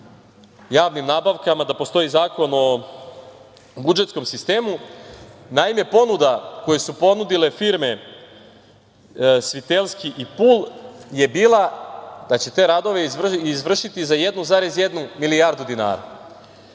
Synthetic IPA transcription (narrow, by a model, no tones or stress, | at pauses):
jaːʋnimnaːbaʋkamad̪apo̞st̪o̞izaːko̞no̞ | bud͡ʒet̪sko̞msist̪e̞ːmu | naime̞po̞nud̪ako̞jesupo̞nud̪ile̞fiɾme̞ | sʋit̪elˠskiʔipulˠje̞biːlˠad̪at͡ɕe̞t̪e̞ːɾad̪o̞ʋe̞izʋr̩ʃit̪izajed̪nuzaɾe̞zjed̪numilijaɾd̪ud̪ina̰ːɾa̰